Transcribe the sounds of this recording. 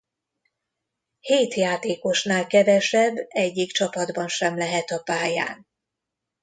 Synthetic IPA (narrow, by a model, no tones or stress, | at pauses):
heːt̪jaːt̪eːko̞ʃnaːlkɛvɛʃɛbːɛɟːikt͡ʃɒpɒd̪bɒnʃɛmlɛɦɛt̪ɒpaːja̰ːn